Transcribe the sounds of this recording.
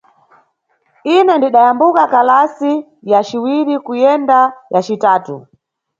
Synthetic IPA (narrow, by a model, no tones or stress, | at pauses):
inɛndiɗajambukakalasi | jat͡ʃiwiɾikujɛndajat͡ʃitaːtu